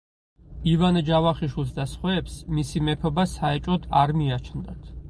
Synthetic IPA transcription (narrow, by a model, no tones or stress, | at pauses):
ivand͡ʒavaχiʃwilˠsd̪asχwɛːpsmisimɛpʰɔbasaɛt͡ʃʼɔd̪aɾmiat͡ʃʰnd̪a̰t̪ʰ